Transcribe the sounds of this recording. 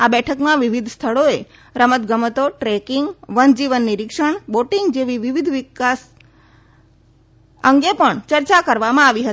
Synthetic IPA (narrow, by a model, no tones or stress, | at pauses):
abɛʈʰəkmãʋɪʋid̪ʱst̪ʰəɭoe | ɾəmət̪ɡəmət̪oʈɾɛkɪŋɡʋənd͡ʒiʋənːiɾɪkʂəɳboʈiŋɡd͡ʒeʋiʋɪʋid̪ʱʋɪkas | əŋɡepəɳt͡ʃəɾt͡ʃakəɾʋamãaʋiɦə